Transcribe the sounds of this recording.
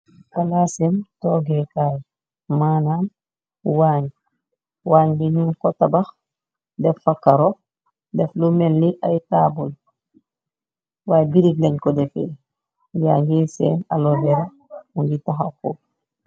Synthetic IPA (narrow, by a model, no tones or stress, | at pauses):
kalasemtoːɡekaj | maːnam | waːɲ | waːɲdinunkɔtabax | dɛfːakːaɾo | dɛflumenliʔajtaːbul | wajbiɾiɡlaɲkɔdɛfḛ | ja̰ɡisɛːnalodɛɾa | muŋɡitaɦako